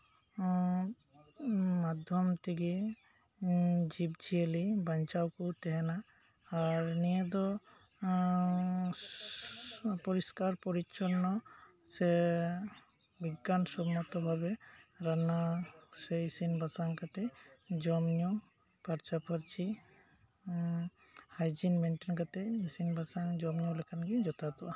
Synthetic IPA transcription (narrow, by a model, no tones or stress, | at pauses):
mad̪ʱjɔmt̪ʰiɡi | d͡ʒibt͡ʃʰielibaɲt͡ʃawkut̪ɛɦɛnaː | ɾnied̪ɔ | pɔɾiskaɾpɔɾit͡ʃɔnːɔ | se | biɡːansɔmat̪ɔbʱabɛɾanasɛisinbasaŋkat̪ɛd͡ʒɔmɲɔ | paɾt͡ʃapʰɔɾt͡ʃi | hajd͡ʒinmenʈinkat̪ɛisinbasaŋd͡ʒɔmɲɔlɛkʰanɡid͡ʒɔt̪at̪ɔʔa